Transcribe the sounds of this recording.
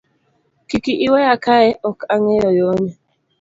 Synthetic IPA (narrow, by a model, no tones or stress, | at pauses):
kikiʔiwɛjakʰaɛʔɔkaŋɛjɔjɔɲɛ